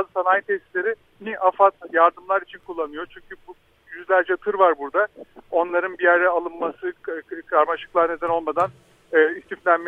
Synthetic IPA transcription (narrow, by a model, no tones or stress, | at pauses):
azɯsanajt̪ʰɛst̪lʲeɾɪ | niʔafat̪jaɾd̪ɯmlˠaɾit͡ʃʰinkʰulˠːanɯjo̞t͡ʃʰyɲcʰybu | jyzlʲæɾd͡ʒɛt̪ʰɯɾvaɾbuɾd̪ao̞nlˠaɾɯnbijæɾd̪ɛalˠɯnmːasɯkʰɾaɾmaʃɯ̥klˠaɾne̞d̪æno̞lˠmad̪anː | ist̪ʰiflʲænme